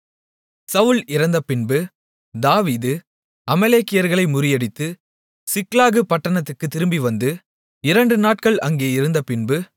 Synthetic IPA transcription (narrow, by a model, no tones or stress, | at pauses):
sɐʋɯlɪɾɐnd̪ɐpɪnbɯ | d̪aːʋiːðɯ | ɐmɐleːkːɪjɐɾɣɐɭɐɪmʊɾɪjɐɽɪt̪ːɯ | sɪklaːɣɯpɐʈːɐɳɐt̪ːɯkːɯt̪ːɪɾɯmbiʋɐnd̪ɯ | ɪɾɐɳɖɯnaːʈ̚kɐɭɐŋɡeːɪɾɯnd̪ɐpɪnbɯ